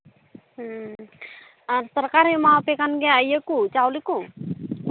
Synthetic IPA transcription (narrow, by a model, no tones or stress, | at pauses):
ansəɾkaɾimapekanɡeəjekut͡ʃawliku